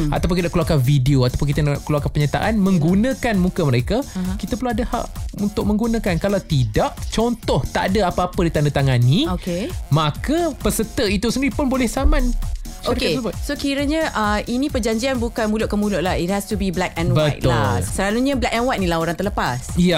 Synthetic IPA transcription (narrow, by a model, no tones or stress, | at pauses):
at̪awp̬ʊnkidaʔkluakavideoat̪awpʊnŋkit̪ənaʔkluakapəɲat̪a̰ʔanmə̃ŋɡunãkanmukəməɾekakit̪əpəlaadəha̰ʔunt̪ʊʔ̚mə̃ŋɡunãkankalawt̪idaʔt͡ʃɔnt̪ɔht̪a̰ʔdaapaapədit̪andat̪aŋanːĩokemakəpəsət̪əit̪usəndiɾipʊnbolɛhsamãnokkebʊsokiɾəɲəʔəinĩpərd͡ʒaɲd͡ʒianbukanmulʊʔ̚kəmulʊʔlahit̚hɛstubiblɛk̚ɛ̃nwbəajtt̪ʊasəlaluɲəblɛk̚ɛ̃nwajt̪̚nĩlaoɾãnt̪ərləpasija